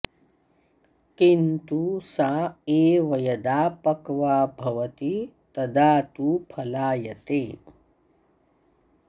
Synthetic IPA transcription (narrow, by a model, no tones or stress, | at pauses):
kint̪usaːeːʋɐjɐd̪aːpɐkʋaːbʱɐʋɐt̪i | t̪ɐd̪aːt̪upʰɐlaːjɐt̪eː